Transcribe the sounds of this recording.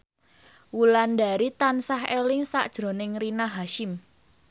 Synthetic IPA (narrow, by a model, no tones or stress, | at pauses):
wulanda̤ɾit̪ansaɦelɪŋsa̰ʔd̥ʒ̥ɾo̤nɪŋɾinaɦaʃɪm